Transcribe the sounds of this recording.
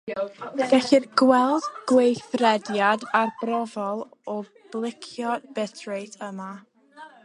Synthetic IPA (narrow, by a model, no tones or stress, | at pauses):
ɡ̥ɛɬɪrɡwɛlˠdɡ̥wejθrɛdjadarbrɔvɔlˠɔ | b̥lˠɪkʰjɔbɛtʰɹejtʰəma